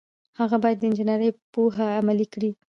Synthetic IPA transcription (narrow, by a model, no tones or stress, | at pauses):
haɣabɑjad̪ːəɪnd͡ʒɪnaɾəjpoɦaːmalikɽi